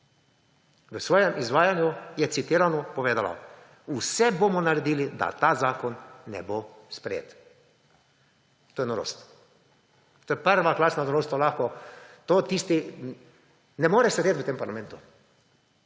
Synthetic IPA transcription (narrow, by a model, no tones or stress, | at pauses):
ʋəsʋɔːjɛmʔizʋaːjanjujɛt̪sit̪iːɾanɔpɔʋeːd̪ala̰ | usɛbomɔnaɾɛd̪iːlid̪a̰t̪aːzaːkɔnːɛ̰bo | spɾɛjḛːt̪ | t̪oːjɛnɔɾo̰ːst̪ | t̪oːjɛpəɾʋaklaːsnanɔɾoːst̪olaxkɔt̪oːt̪iːst̪i | nɛmoːɾɛʃsɛd̪eːt̪ʋət̪eːmpaɾlamɛ̃nt̪u